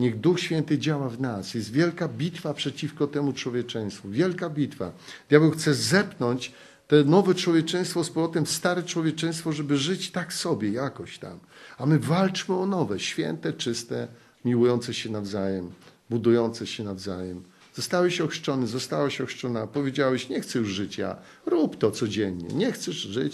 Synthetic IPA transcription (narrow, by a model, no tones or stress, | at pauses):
ɲɛɣd̪uxɕfʲjɛnt̪ɘd͡ʑawavnasjɛst̪vʲjɛlkabʲit̪fapʂɛt͡ɕifkɔt̪ɛmut͡ʂwɔvʲjɛt͡ʂɛ̃j̃st̪fuvʲjɛlkabʲit̪fa̰jaɡɛxt̪sɛzɛpnɔɲt͡ɕ | t̪ɛnɔvɛt͡ʂwɔvʲjɛt͡ʂɛ̃j̃st̪fɔspɔlɔt̪ɛmst̪aɾɛt͡ʂwɔvjɛt͡ʂɛ̃j̃st̪fɔʐɛbɘʐɘt͡ɕt̪aksɔbʲjɛjakɔɕt̪a̰mamɘvalt͡ʂmɘɔnɔvɛɕfʲjɛ̰nt̪ɛt͡ʂɘst̪ɛ | mʲiwujɔnt̪sɛɕɛnavzajɛm | bud̪ujɔnt̪sɛɕɛnavzajɛm | zɔst̪awɛɕɔxʂt͡ʂɔnɘzɔst̪awaɕɔʂt͡ʂɔnapɔvʲjed͡ʑawɛɕɲɛxt̪sɛjuʐʐɘt͡ɕja̰ | ɾupt̪ɔt̪sɔd͡ʑɛnɲɛ̰ɲɛxt̪sɛʐʐɘt͡ɕ